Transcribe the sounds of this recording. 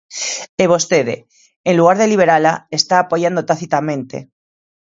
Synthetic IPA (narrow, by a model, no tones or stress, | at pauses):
eβ̞o̞st̪eðḛ | enluɣaɾðeliβ̞e̞ɾalaest̪aːpo̞ʝand̪ot̪aθit̪amẽ̞nt̪e̞̰